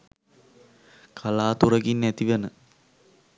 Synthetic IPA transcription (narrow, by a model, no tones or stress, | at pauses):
kʰalaːt̪uɾəɡinːæt̪iʋənə